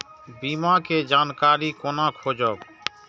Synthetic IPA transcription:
biːmãːkeːd͡ʒaːnkaːɾiːkoːnãːkʰoːd͡ʒɔːk

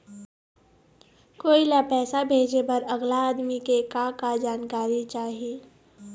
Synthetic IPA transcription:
koːilapɛːsabʱeːd͡ʒebəɾɐɡlaaːd̪mikekãkad͡ʒaːnkaːɾit͡ʃaːɦieː

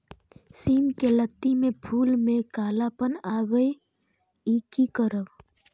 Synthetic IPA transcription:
siːmkelət̪ːimẽpʰuːlmẽkaːlapənaːwəj | iːkikəɾəʋ

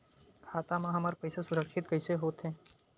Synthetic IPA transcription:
kʰaːt̪amãɦɐməɾpɐɪsasʊɾəkʃɪt̪kəɪseɦoːt̪ɦẽː

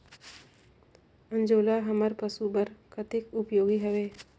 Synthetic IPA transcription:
ə̃nd͡ʒoːlaɦəməɾpəsubəɾkʰət̪ɪkʊpjoːɡiɦəʋeː

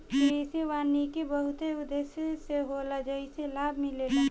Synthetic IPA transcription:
keseʋaːnikebəɦʊt̪eʊd̪eːsseɦolad͡ʒəiselaːbʱmɪlena

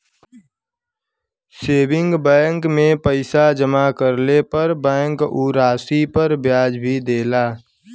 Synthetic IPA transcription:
seːbɪ̃ŋɡbɛ̃ːŋkmẽpəɪsad͡ʒəmakəɾlepəɾbɛ̃ːŋkuːɾaːsipəɾbjaːd͡ʒbʱid̪eːlaː

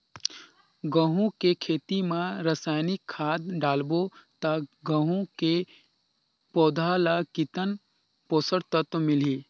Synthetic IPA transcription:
ɡə̃ɦũkekʰeːt̪imãɾəsaːjnɪkʰːaːd̪ɖaːlbot̪aɡə̃ɦũke | pɔːd̪ʱalakit̪ən | poːsəɾt̪ət̪mɪliː

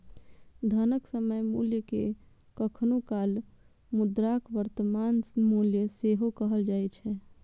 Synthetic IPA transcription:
d̪ʱənəksəməjmuljəke | kəkʰnukal | mʊd̪ɾakʋəɾt̪əmanmuljəseɦokəɦəld͡ʒaɛt͡ʃʰɛ

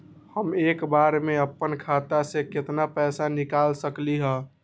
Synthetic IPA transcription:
həmeːkbaɾmeəpːənkʰat̪asekɪt̪napɛsanikaːlsəkliɦəː

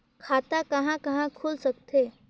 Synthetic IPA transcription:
kʰat̪akəɦãkəɦãkʰuːlsəkt̪ʰe

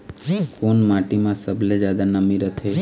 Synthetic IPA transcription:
konmaʈimãsəbʱled͡ʒad̪anəmiɾət̪ʰe

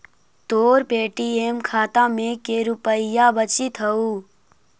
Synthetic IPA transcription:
t̪oːɾpeːʈieːmkʰaːt̪ãmẽkeɾʊpəɪjabət͡ʃit̪ʰɦɐuː

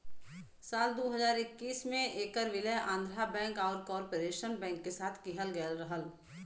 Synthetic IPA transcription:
saːld̪oːɦəzaːɾɪkːiːsmẽeːkəɾʋɪləʔãːnd̪ʱɾabɛ̃ːŋkaːɾkɔːɾpoɾeːʃənbɛ̃ːŋkːesaːt̪ʰkɪɦəlɡəlɾɐɦəl

